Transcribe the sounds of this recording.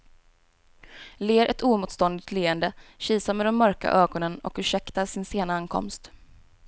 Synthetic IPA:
leːɾʔɛt̪ʰuːmuːt̪st̪ɔnd̪ɪt̪leːənd̪əɕiːsamɛd̪ɛmːœɾka̰ʔøːɡɔnənɔ̰kɵʂɛkt̪aʂɪnseːnaankʰɔ̰mst̪

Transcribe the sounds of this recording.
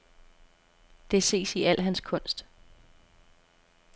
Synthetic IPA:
d̥e̝se̝̰ːsiʔæl̰ɦænskʰɔ̽n̰sd̥

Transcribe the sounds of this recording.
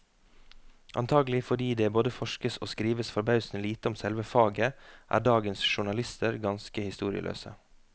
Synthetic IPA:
ʔɑ̰nt̪ʰɑːɡəlɪfɔɖiːd̪eːboːd̪əfɔʃkəso̰ːskɾiːʋəsfɔɾbɑʉsn̩liːt̪əɔmsɛlʋəfɑːɡəʔæ̰ːɖɑːɡənsʃʊɳɑlɪst̪ʰəɾɡɑnskəhɪst̪uːɾɪ̰ə̰lø̰ːsə̰

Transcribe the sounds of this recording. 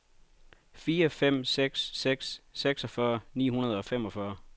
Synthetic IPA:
fiːɐfem̰seɡ̥sːeɡ̥sːeɡ̥sɒ̽fɶɐnḭːhunɐð̞ˠɒ̽femɒ̽fɶɐ

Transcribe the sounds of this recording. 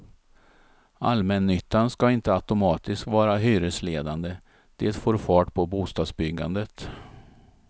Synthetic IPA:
almɛnːʏt̪ːanskaɪnt̪əat̪ʊmɑːt̪ɪskvɑːɾaɦyːɾəsleːd̪and̪ə | d̪̥eːt̪foːɾfɑːʈpʰɔbuːst̪ɑːd̪sbʏɡːa̰nd̪ət̪

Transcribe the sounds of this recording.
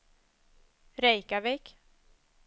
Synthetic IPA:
ɾɛjkavɛk

